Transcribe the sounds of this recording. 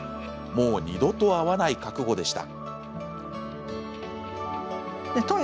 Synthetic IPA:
mo̞ːɲ̟ʲid̪o̞t̪o̞aβanaikakɯ̟ɡo̞d̪e̞ɕi̥t̪a̰ | et̪õn

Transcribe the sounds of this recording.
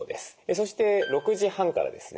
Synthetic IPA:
d̪e̞sɨ̥eso̞ɕi̥t̪e̞ɾo̞kɯ̟ʑihãŋka̰ɾa̰d̪e̞sɨn

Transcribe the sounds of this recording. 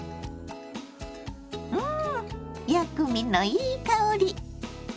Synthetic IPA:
ɯ | jakɯminoiːkaoɾi

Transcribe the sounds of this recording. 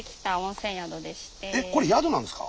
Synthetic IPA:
kʰʲi̥t̪aõnsẽɰ̃jad̪od̪eɕi̥t̪eeko̞ɾe̞jad̪o̞nãnd̪sɨ̥ka̰

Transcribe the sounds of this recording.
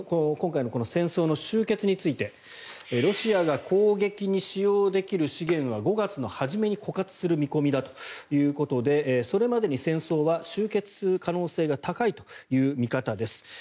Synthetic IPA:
kokõ̞ŋkainoko̞no̞sẽɰ̃so̞ːno̞ɕɨːke̞t͡sɨɲ̟it͡sɨit̪e̞ | ɾo̞ɕiaɡakʰo̞ːɡe̞kʲiɲ̟iɕijoːd̪e̞kʲiɾɯ̟ɕiɡẽ̞ɰ̃β̞aɡo̞ɡat͡sɨno̞haʑime̞ɲ̟iko̞kat͡sɨ̥sɨɾɯ̟mʲiko̞mʲid̪at̪o̞̥jɯ̟ːko̞t̪o̞d̪e̞ːso̞ɾe̞mad̪e̞ɲ̟isẽ̞ɰ̃so̞ːβaɕɨːke̞t͡sɨ̥ɨkano̞ːse̞ːɡat̪akait̪o̞̥jɯ̟ːmʲikat̪ad̪e̞sɨ̥

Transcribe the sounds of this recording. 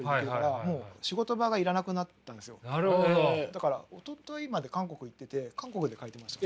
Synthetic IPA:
ieɾkkaɾamo̞ːɕiɡo̞t̪o̞baɡaiɾanakɯ̟nat̪ːãnd̪esɨjo̞naɾɯod̪akaɾaot̪ot̪oimad̪e̞kãŋko̞kɯ̟it̪ːe̞t̪e̞kãŋko̞kɯ̟d̪e̞kait̪e̞maɕi̥t̪ḁ

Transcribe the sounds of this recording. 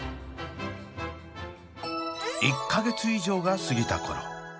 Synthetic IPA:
ikʰːaɡe̞t͡sɨiʑo̞ːɡasɨɡʲit̪a̰ko̞̰ɾo̰

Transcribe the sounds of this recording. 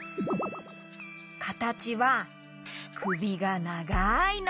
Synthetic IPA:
kʰat̪at͡ɕiβa | kʰɯ̟bʲiɡanaɡain

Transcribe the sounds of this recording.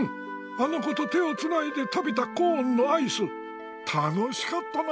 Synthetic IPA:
ano̞ko̞t̪o̞t̪e̞o̞t͡sɨnaid̪e̞t̪abe̞t̪akõːnːo̞aisɨ | t̪ʰano̞ɕi̥kat̪ːan

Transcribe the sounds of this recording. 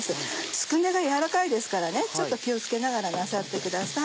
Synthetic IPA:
sɨsɨ̥kɯ̃nd̪e̞ɡajaɾakaid̪e̞sɨ̥kaɾane̞t͡ɕo̞t̪ːo̞kʲio̞t͡sɨ̥ke̞naɡaɾanasat̪ːe̞kɯ̟d̪asa

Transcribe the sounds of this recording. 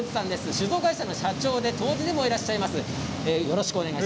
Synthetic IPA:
d͡ʑi̥sãnd̪e̞sɨɕɨzo̞ːɡaiɕano̞ɕat͡ɕo̞ːd̪e̞t̪o̞ːʑid̪e̞mo̞iɾaɕːaimasɨ | eːjo̞ɾo̞ɕi̥kɯone̞ɡai

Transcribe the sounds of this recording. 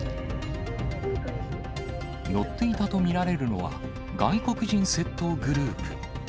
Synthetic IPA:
jo̞t̪ːe̞it̪at̪o̞mʲiɾaɾe̞ɾɯ̟no̞̰βa̰ | ɡaiko̞kɯ̟ʑĩɰ̃se̞t̪ːo̞ːɡɯ̟ɾɯ̟ːpɯ̟

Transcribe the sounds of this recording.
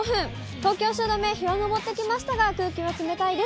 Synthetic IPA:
oɸɯ̟̃ŋ | t̪o̞ːkʲo̞ːɕ̬ɨːd̪ome̞çiɾonobo̞t̪ːe̞kʲimaɕi̥t̪aɡakɯ̟ːkʲiβakime̞t̪aid̪e

